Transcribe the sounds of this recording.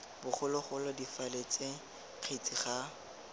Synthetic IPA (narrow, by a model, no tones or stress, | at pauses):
bʊχʊlʊχʊlɔdifalet͡seŋ̩ | q͡χʰet͡sʼiχa